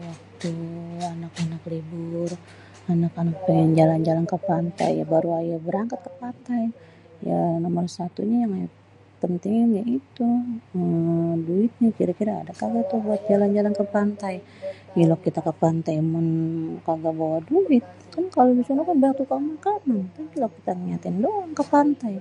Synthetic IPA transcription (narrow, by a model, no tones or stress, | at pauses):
wak̚t̪uanakanaklibʊr | anakanak̚pəŋɛnd͡ʒaland͡ʒalankəpant̪a̰ja̰baɾuajabəɾaŋkat̪̚kəpant̪aj | ja̰nomərsat̪ṵɲajaŋaja | pənt̪iŋnjait̪uəduɪt̪̚ɲakiɾakiɾa̰ːdakaɡat̪ubuat̪̚d͡ʒaland͡ʒalankəpant̪aj | ilokːit̪akəpant̪ajmʊnkaɡabawaduɪt̪̚ | kankalobisunakabəak̚t̪ukamukanaŋt̪apilokːit̪aŋiɲat̪ɪndoaŋkəpant̪aj